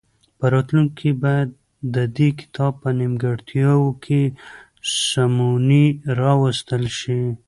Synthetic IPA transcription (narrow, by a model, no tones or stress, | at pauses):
pəɾɑt̪luŋkkʰibɑjad̪̚ː | əd̪ekɪ̥t̪ʰɑb̚pənimɡaɽt̪ʰjɑwkʰe | samuniɾɑwəst̪əlʃi